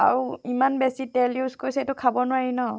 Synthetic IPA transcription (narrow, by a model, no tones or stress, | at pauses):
a̰ɹuimanbesitɛljuzkojsɛtʊkʰabɔnʊwaɹinɔ